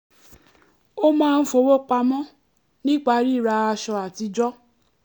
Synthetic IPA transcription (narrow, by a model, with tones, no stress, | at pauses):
o˦mãː˦˧n̩˦fo˧wo˦k͡pa˧mɔ̃˦ | nĩ˦k͡pa˧˦ɾi˦˨ɾa˧a˧ʃɔ˧a˨ti˧d͡ʒɔ˦